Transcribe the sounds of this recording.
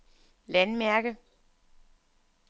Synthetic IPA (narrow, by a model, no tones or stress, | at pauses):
lænmæɐ̰ɡ̥ə